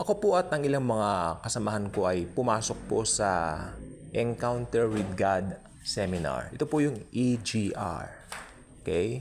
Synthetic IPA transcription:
ʔɐkopoʔɐt̪ʔɐŋɪlaŋmɐŋakɐsɐmɐɦɐnko̞ʔɐjpʊmaːso̞k̚po̞sɐ | ʔɛnkawnt̪ɛɹwɪd̪̚ɡad̪ | sɛmɪna̰ɹʔɛt̪opojʊŋʔid͡ʒiʔa̰ɹʔokɛj

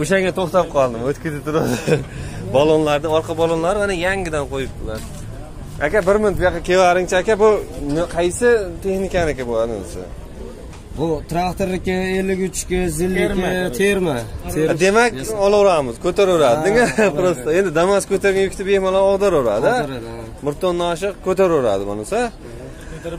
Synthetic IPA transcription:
oʃaŋʲat̪ʰoχt̪ap̚qʰɒlˠd̪ɪmot̪kʲʰɪt̪ɪt̪ʰʊɾad̪ | balˠonlaɾd̪ɪŋɒɾqɑbalˠonlaɾɪanajaŋɡʲɪd̪anqʰojɪp̚bʊlan | akʲabɪɾmɪnt̪bʊjɑqɑkʲʰevaɾɪŋt͡ʃʰaakʲabʊnqʰɑjsɪt̪ʰe̞xnɪkʲanɪkʲabolad̪ɪmɪ̰sɪ̰ | bʊt̪ʰɾakt̪oɾlɪkʲɪelːɪɡʲʊt͡ʃkʲɪzɪlːɪɪt̪ʰeɾmaad̪e̞makʲɒlˠɾamɪzkʲʰɵt̪ʰaɾʊɾad̪ɪnɪɡʲapɾost̪ae̞nd̪ɪd̪amaskʰʲɵt̪ʰeɾɡʲajʊkʲt̪ɪbehmalaɒʁd̪aɾoɾa̰d̪ɪ | mɪɾt̪ʰːonːaʃ̬ɨqkʲʰɵt̪eɾʊɾa̰d̪ɪma̰nʊsa

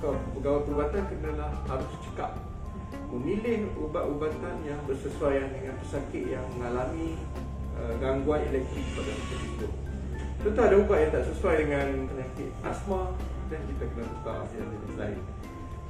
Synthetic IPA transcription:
kɔbəɡawapəɾubat̪ankənə̃lahhaɾʊst͡ʃə̥ka̰p̚ | məmilɪhubaʔ̪ubat̪anjaŋbərsəsuajandəŋãnpəsakɪʔ̪̚jaŋməŋalamĩ | əɡaŋɡuanelɛk̚t̪ɾik̚padamit̪atit̪ʊʔ̚ | t̪ət̪aadaubaʔjaŋt̪aʔsəsuajdəŋanpəɲakɪʔ̪̚a̰smadankit̪akənə̃kuk̪a̰ʔja̰ŋmənə̰sla̰ɪ̰n

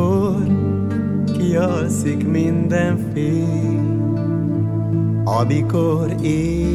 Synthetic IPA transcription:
o | ɾ | kijɔɾsikmind̪ɛ | fe | ɔbiko | ɾe

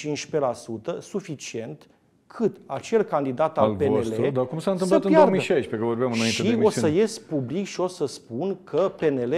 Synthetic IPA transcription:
int͡ʃpe̞lasut̪əsufit͡ʃie̞nt̪ | kʰɨt̪at͡ʃe̞lkand̪id̪at̪aallpeoeleɾud̪akumsaɨnt̪ɨmsləat̪npjoaordmiəʃajʃpekəvo̞ɾbamɨnainʃeio̞səje̞sʲpublikʃio̞səspunkʰəpe̞ne̞le

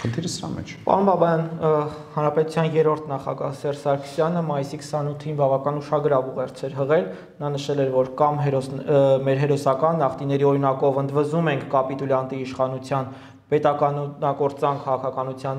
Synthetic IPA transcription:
χənt̪ʰiɾəsəɾɑ̰mɛ̰t͡ʃʰpɑ̰ɾunbɑbɑjɑn | hɑnɾɑpɛt̪ut͡sʰjɑnjɛɾɔɾt̪ʰnɑχɑ̰ɡɑhsɛrsɑɾkʰsjɑnəmɑjisikʰsɑnut̪ʰːinbɑvɑkɑnuʃɑɡəɾɑvuʁɛɾt͡sʰɛɾɦəʁɛl | nɑnəʃɛlɛɾvɔɾkɑmɦɛɾɔsmɛɾɦɛɾɔsɑkɑnːɑχt̪inɛɾiɔɾinɑkɔvənd̪vəzumɛŋkʰkɑpit̪uljɑnt̪iːʃχɑnut͡sʰjɑn | pɛt̪ɑkɑɑkɔɾt͡sɑŋkʰːɑʁɑkʰɑkɑnut͡sʰjɑn

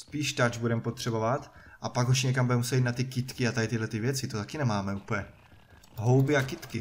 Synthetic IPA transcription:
spiːʃt̪ad͡ʒbudɛmpot̪r̝̥ɛbo̞vat̪ʔapaɡuʃɲɛkambudɛmusɛit̪nat̪ɪkɪt̪kɪat̪adɪt̪ɪɦlɛt̪ɪvjɛt͡sɪt̪ot̪akɪnɛmaːmɛuːplɲɛ | ɦowbɪakɪt̪kɪ

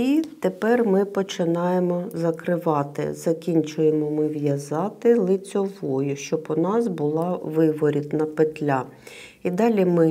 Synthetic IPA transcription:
it̪epɛrmɪpɔt͡ʃɪnɑjemɔzɐkɾɪʋɑt̪ɪ̰zɐkʲinʲt͡ʃʊjemɔmɪʋjɐzɑt̪ɪlˠɪt͡sʲɔʋɔjʊʃt͡ʃɔbʊnɑsbʊlˠɑʋɪʋɔɾʲit̪nɐpet̪lʲa | id̪ɑlʲimɪ

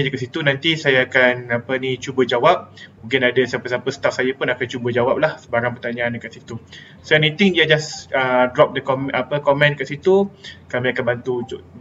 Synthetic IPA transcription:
d͡ʒəkaʔsit̪unãnt̪isajaːkanapənĩt͡ʃubəd͡ʒawap̚bũŋk̬ɪnadasapəsapəsə̥t̪afsajapʊnakant͡ʃubəd͡ʒawap̚lahsəbaɾaŋpərt̪aɲaandəkaʔ̪sit̪u | soɛnit̪ɪŋiad͡ʒasədɾɔp̚dəkɔmɛʔapəkɔmɛ̃nkaʔsit̪ukamiakanbant̪u

